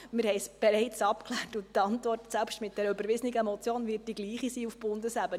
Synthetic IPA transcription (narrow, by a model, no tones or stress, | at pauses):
mɪɾhɛɪsb̥ɛɾɛɪt͡sɑpklæːtutɑntvɔrtsælpʃtmɪt̚d̥ɛɾəøbəɾvɪzəniɡəmɔt͡sjoːnvɪt̚d̥iɡliːχisiːufb̥ʊndəsæbən